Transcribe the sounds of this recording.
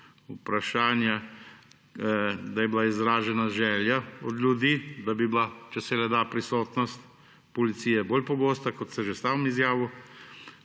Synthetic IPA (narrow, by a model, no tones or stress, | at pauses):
upɾaʃaːnja | d̪ajɛblaizɾaːʒɛnaʒɛːljaɔd̪lʲjud̪iːd̪abiblat͡ʃɛsɛlɛd̪aːpɾisoːt̪nɔst̪ | pɔlit̪siːjɛbolpɔɡoːst̪akɔt̪sɛʒest̪aːwɔmizjaːʋu